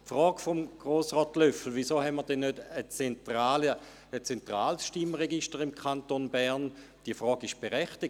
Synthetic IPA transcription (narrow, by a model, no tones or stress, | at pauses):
fʁɔːɡfomɡ̥ʁoːsʁɔːtløfl̩ʋisoːɦɛnmiəɐdɛnːødət͡sɛntʁaːlə | ət͡sɛntʁaːlsʃtiməʁeɡiʃtəʁimkʰχantonbɛʁn | d̥iəfʁɔːɡɪʃb̥eʁɛχti